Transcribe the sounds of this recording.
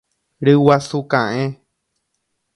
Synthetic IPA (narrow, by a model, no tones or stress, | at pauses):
ɾɨwasukãʔẽ